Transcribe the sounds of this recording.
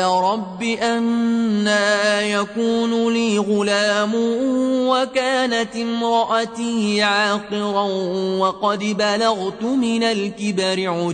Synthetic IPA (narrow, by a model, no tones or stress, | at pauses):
aːɾˤɑbːiʔanːaːjakuːnʊliːɣʊlaːmʊwakaːnat̪ʔɪmɾˤɑʔat̪iːʕaːqɨɾɑwɑqɑd̪balaɣt̪ʊmɪnalkɪbaɾɪʕʊ